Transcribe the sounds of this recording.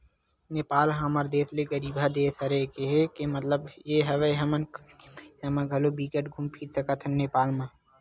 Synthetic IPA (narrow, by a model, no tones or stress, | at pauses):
neːpaːlɦəməɾd̪eːsleɡəɾiːbʱad̪eːsəɾekeɦekemət̪ləbjeɦəʋeɦəmən | samãɡʱəlobikəʈɡʱʊmpʰiɾsəkət̪ʰneːpaːlmã